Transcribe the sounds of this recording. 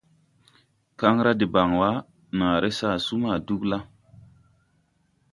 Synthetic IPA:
ka˦ŋɾa˦di˨ba˨ŋwa˦ | nã˨ɾe˦sa˦˨su˦ma˨du˦kla˦

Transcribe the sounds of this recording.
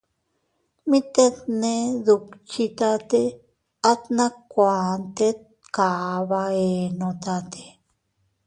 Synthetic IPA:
mĩ˦t̪e˦t̪neðu˧kt͡ʃi˧t̪a˦t̪e˦ | a˦t̪nã˦kːʷaːnt̪e˦t̪̚ | ka˨βa˧e˨nõt̪at̪ʰe̥

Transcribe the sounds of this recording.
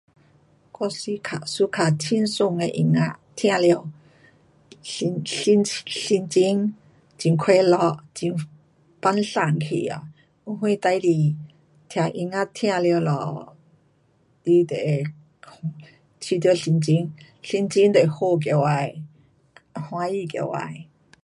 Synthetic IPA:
kɔ˧si˧kʰa̰˨ʔsu˧˦kʰa˨tʰi˧˥˧nsʊ˧˨ŋe˧ʔi˧ŋa˧˥t̪ʰj̃ã˧ljə˧w | i˧nɬi˧nt͡ɕi˧˥ŋ | t͡ɕi˧ŋkʰwe˧˦lɔ˧˩t͡ɕi˧ŋ | pa˧˥nɬa˧˩˨ŋkʰḭ˨a̰˨ | u˧ɦwĩ˧t̪a˧jli˧ | t̪ʰja˧˩ʔi˧ŋa˦˧t̪ʰj̃ã˧ljwlɔ̰˧˨ | ti˧t̪ḛ˨˧ | t͡ɕʰi˧t̪jɬi˧nt͡ɕi˧˥ŋ | ɬi˧˥nt͡ɕi˧˦nt̪e˨ho˧k̬e˧˨wa˧j | hw̃ã˧ji˧˨kḛ˧˨wa̰˧˨j

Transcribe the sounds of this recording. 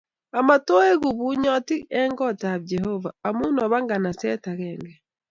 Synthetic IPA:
a˨ma˨tɔ˦e˦ɣu˨βu˦ɲɔ˦ti˦ɛ˦ŋɡɔ˦ta˨βd͡ʒɛhɔvaː˨mu˦nɔ˨βa˦ŋɡa˨na˨sɛ˦ta˨ɣɛŋɡɛ˨

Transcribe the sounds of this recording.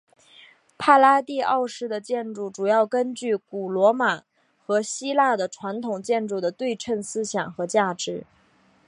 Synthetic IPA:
pʰa˥˩la˥t̪i˥˧ɑ˥˧ʊʂɻ̩˥˩d̪ə˩t͡ɕjɛ˥˧nʈ͡ʂu˥˩ʈ͡ʂu˨˩jɑ˥˩ʊkə˥nt͡ɕy˥˩ku˨˩lwɔ˧˥ma˨˩˦ | xɤ˧˥ɕi˥la˥˩d̪ə˩ʈ͡ʂʰwa˧˥nt̪ʰʊ˨˩ŋt͡ɕjɛ˥˧nʈ͡ʂu˥˩d̪ə˩t̪we˥˧ɪʈ͡ʂʰə˥˩nsɹ̩˥ɕjɑ˨˩ŋxɤ˧˥t͡ɕja˥˩ʈ͡ʂɻ̩˧˥

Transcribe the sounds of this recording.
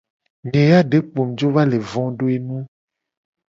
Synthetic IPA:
ɲẽ˨ja˦ɖe˨˦k͡po˨md͡ʒo˦va˦le˨vɔ̃˦ɖo˦e˦nũ˦

